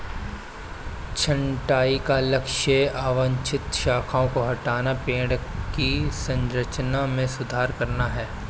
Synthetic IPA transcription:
t͡ʃʰɐ̃ɳʈaːikalɐkʃəaːʋə̃ɲt͡ʃʰɪt̪ʃaːkʰaõkoɦɐʈaːnapẽːɽkisɐ̃nɾət͡ʃnamẽsʊd̪ʱaːɾkɐɾnaɦɛː

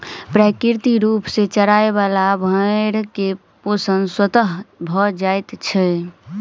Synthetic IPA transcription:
pɾakiɾt̪iɾupset͡ʃəɾaeβalabʱəɾke | posənswət̪əɦbʱɔd͡ʒajt̪t͡ʃʰɛ

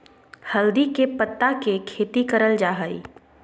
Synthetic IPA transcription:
hɐld̪ikepət̪ːakekʰeːt̪ikəɾəld͡ʒaːɦəḭː

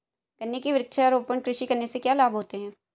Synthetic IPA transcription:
ɡ̥ɐnːekeʋɪɾɪkʃaɔɾoːpəɳkɾɪʃikɐɾnesekjaːlaːbɦoːt̪eɦɛ̃ː

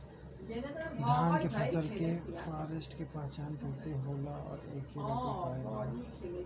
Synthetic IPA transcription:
d̪ʱjaːnkepʰɐsəlkefaːɾəsʈkepãːt͡ʃaːnkʰeseɦoːlaɔ̰ːɾḛːkeɾaːpapaːjeaː

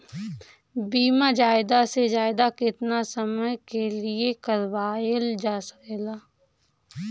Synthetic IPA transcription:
biːmad͡ʒaːɪd̪ased͡ʒaːɪd̪akɪt̪nasəməjkeliekɐɾwaːəld͡ʒaːsə̥keːlaː

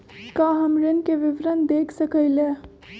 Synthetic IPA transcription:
kaːɦəmɾɪnkeʋɪʋɾənd̪eːkʰsəkəɪleː

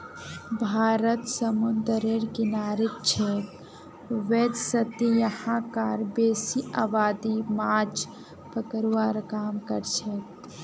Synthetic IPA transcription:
bʱaːɾət̪səmʊnd̪əɾeɾkinaːɾik̚t͡ʃʰek | ʋed͡ʒsət̪ijɐhãkaɾbeːsiʔaːbaːd̪imaːd͡ʒ | pəkəɾwaɾkaːmkəɾt͡ʃʰek̚

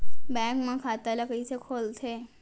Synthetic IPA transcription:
bɛ̃kmãkʰat̪aləɡəit͡ʃʰekʰolt̪ʰe

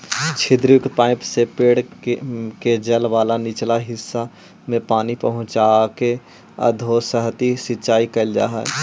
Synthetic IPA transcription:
t͡ʃʰɪd̪ɾjʊk̪paːɪpsepeːɽ | ked͡ʒɐlʋaːlanɪt͡ʃlaɦɪsːa | mẽpaːnipəɦʊ̃t͡ʃaːke | ə̰d̪ʱoːsəɦt̪isɪtːt͡ʃaːikəld͡ʒa̰ːɦɛ̰

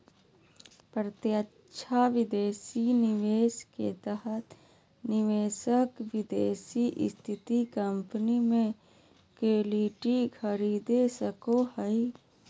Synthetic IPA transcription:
pɾət̪jəː | ʃʰaʋɪd̪eːsinɪʋeːʃkḛt̪əɦət̪ | nɪʋeːsəkʋɪd̪eːsiʔst̪ʰɪt̪ikəmpnimẽ | keːliːʈikʰəɾiːd̪esəkohəi

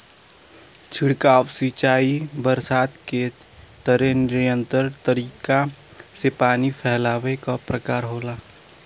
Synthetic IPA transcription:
t͡ʃʰɪɽkaːʋswit͡ʃaːi | bəɾsaːt̪ke | t̪əɾẽnɪɾjə̃nt̪əɾt̪əɾiːka | sepaːnipʰɛɦlaːʋekapɾəkaːɾɦoːlaː

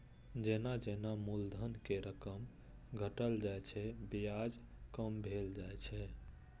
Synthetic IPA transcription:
d͡ʒenad͡ʒenamuld̪ʱənkeɾəkəm | ɡʱəʈəld͡ʒajt͡ʃʰɛbijad͡ʒ | kəmbʱeld͡ʒajt͡ʃʰɛ

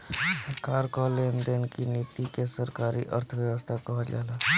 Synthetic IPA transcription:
səɾkaːɾkɔːlend̪eːnkiniːt̪ikesəɾkaːɾiʔə̰ɾt̪ʰəʋjəʋəst̪ʰakɔɦad͡ʒa̰ːlaː

